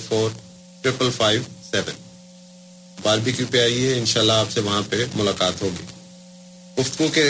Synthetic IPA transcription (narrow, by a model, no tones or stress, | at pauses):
foːɾ | ʈɾɪpəlfʰaːɪʋsɛːʋə̰n | baːɾbikjuːpeaːieɪnʃaːlːaaːpseʋɐɦãpemʊlaːkaːt̪ɦoːɡḭː | ɡʊft̪ɡõke